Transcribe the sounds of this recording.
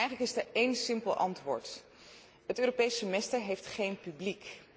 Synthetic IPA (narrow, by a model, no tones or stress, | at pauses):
ɛjχələkɪsdəɹejnsɪmpəlˠʔɑ̰ntʋʊːɹt | ɦətøːropejsəmɛstəɹɦejftχejnpyblik